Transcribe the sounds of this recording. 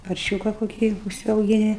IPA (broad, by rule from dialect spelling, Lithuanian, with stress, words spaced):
pɐrʲˈʃʲuːkɐ koːˈkʲiː ʊʃʲsʲɛʊɡʲɪˈnʲɪ